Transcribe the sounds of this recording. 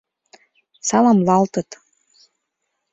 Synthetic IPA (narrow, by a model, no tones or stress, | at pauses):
sɑlɑmlɑlt̪ɤ̆t̪